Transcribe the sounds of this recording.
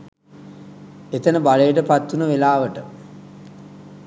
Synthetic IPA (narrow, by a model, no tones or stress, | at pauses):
et̪ənəbalejəʈəpat̪ːunəʋelaːʋəʈə